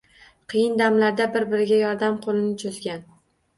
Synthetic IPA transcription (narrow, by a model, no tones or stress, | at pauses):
qʰɨjɪnd̪amlaɾd̪abɪɾbɪɾɪɡʲajɒɾd̪amqʰolˠɪnɪt͡ʃʰʊzɡʲan